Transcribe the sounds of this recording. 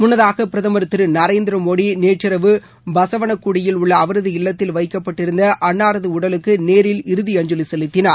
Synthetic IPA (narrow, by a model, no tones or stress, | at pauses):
mʊnːɐðaːɣɐpɪɾɐðɐmɐɾɯt̪ːɯɾɯnɐɾeːnd̪ɪɾɐmoːɽineːʈrɪɾɐʋɯ | bɐsɐʋɐɳɐkːuɽɪjɪlʊɭːɐːʋɐɾɐðɯɪlːɐt̪ːɪlʋɐɪkːɐpːɐʈːɪɾɯnd̪ɐʔɐɳːaːɾɐðɯʊɽɐlɯkːɯneːɾɪlɪɾɯðiɐɲd͡ʒʊlɪsɛlɯt̪ːɪnɐɾ